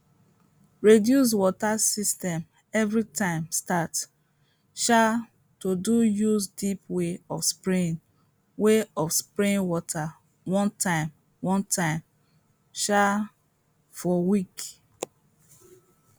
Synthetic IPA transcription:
ɹedjus̬wɔtasistɛ̃m | ɛvɹitʰãɪ̃mstat | ʃa | todujuzdipweɔfspɹĩn | weɔfspɹĩnwɔtʰa | wɔ̃ntʰãɪ̃m | wɔ̃ntʰãɪ̃m | ʃa | fɔwik

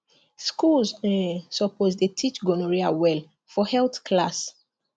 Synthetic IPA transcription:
skulsɛsɔpozdetʰit͡ʃɡɔnɔɹiawɛl | fɔhɛlθkʰlas

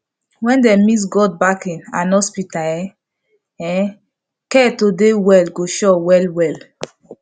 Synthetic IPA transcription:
wɛ̃ndɛmis̬ɡɔd̚bakĩnãnɔspita | ɛ̃ | kɛtodewɛlɡoʃɔwɛlwɛl

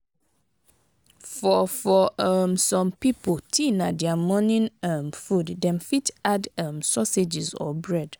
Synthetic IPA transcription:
fɔfɔɛmsɔ̃mpipʰotʰĩnãdɛamɔ̃nĩnamfuddɛ̃mfitadamsɔsed͡ʒizɔ̰bɹɛd

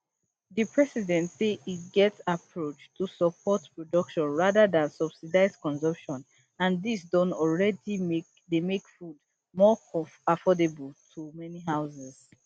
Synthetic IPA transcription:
dipʰɹɛsidɛ̃ntseiɡɛtsapʰɹot͡ʃtʰusəpʰɔtpɹɔdʌkʃɔ̃nɹaðadãnsʌb̥sidaɪzkɔ̃nzɔ̃mpʃɔ̃n | ãndisdɔ̃nɔlɹɛdimek | demekfud | mɔafɔdebəltʰumɛniɦaʊsɛz

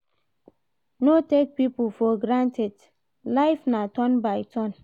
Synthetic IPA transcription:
notek̚pipufɔɡɹãntɛd | laɪfnatɔ̃nbajtʰɔ̃n

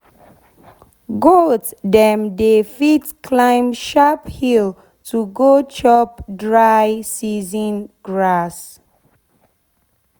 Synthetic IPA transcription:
ɡoddɛ̃mdefitkʰlãɪ̃mʃaphil | tʰuɡot͡ʃɔp̚dɹajsizə̃nɡɹas

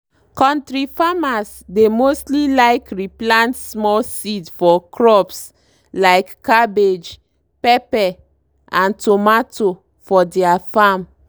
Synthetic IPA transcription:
kɔ̃ntɹifamas | demostlilaɪkɹiplãntsmɔlsidfɔkʰɹɔps | laɪkːabed͡ʒ | pɛpɛ | ãntomato | fɔdɛafam

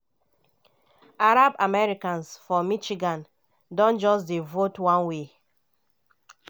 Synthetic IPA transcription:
aɾabamɛɹikãnsfɔmit͡ʃiɡãn | dɔ̃nd͡ʒɔsdevotwãnwe

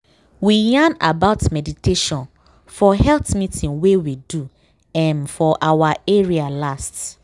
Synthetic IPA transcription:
wijãnabaʊtmɛditeʃɔ̃n | fɔhɛltmitʰĩŋwewidu | ãnfɔʔawaɛɹialast

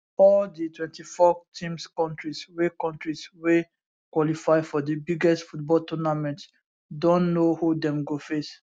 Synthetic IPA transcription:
ɔlditwɛ̃ntifɔtʰĩmskɔ̃ntɹiswekɔ̃ntɹiswe | kwɔlifaɪfɔdibiɡɛstfut̚bɔltʰunamɛ̃nts | dɔ̃nnohudɛ̃mɡofes

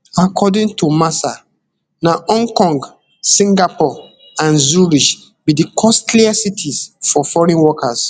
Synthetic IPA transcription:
akʰɔdĩntʰumasa | naʔɔ̃ŋkɔ̃ŋɡ | sĩŋɡapɔ | ãnzuɹiʃ | bidikʰɔstliasitʰizfɔfɔɹĩnwɔkas

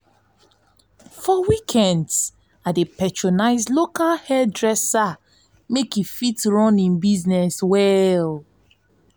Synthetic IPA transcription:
fɔwikʰɛ̃nds | adepɛtɹɔnaɪzlokalhɛdɹɛsa | mekifitɹɔ̃nĩnbiznɛswɛl

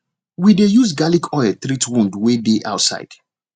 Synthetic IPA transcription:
widejusɡalikʰɔɪlt̪ɾitwũndwedeʔa̰ʊtsa̰ɪd̥

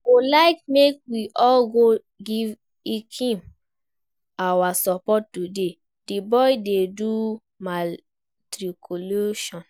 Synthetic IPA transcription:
kolaɪk̚mek̚wiʔɔlɡo | ɡiv | ikʰĩm | awasɔpɔtːude | d̥ibɔidedu | ma | tɾikʰoloʃɔ̃n

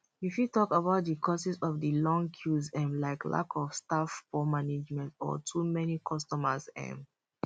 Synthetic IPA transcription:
ifjutɔkəbaʊt̚dəkʰɔsizɔvdəlɔ̃ŋkʰjuzɛ̃mlaɪklʔa̰kʰɔfstafpɔmaned͡ʒmɛ̃ntɔ̰tʰumɛnikʰɔstɔməzɛ̰̃m

